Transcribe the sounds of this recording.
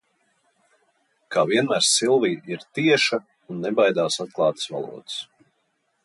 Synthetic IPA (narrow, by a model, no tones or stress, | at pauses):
kʰaːviɛnmæɾsilˠviːʔiɾt̪iɛʃa | unːɛbajd̪aːsat̪̚klˠɑːt̪ə̥sva̰lˠṵɔd̪ɨs